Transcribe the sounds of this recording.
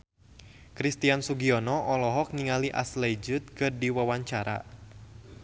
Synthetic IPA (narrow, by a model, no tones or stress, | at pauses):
kɾist̪iansuɡiɔnɔʔɔlɔɦɔk̚niŋaliʔa̰sled͡ʒut̪̚kɨrdiwawaɲt͡ʃaɾa̰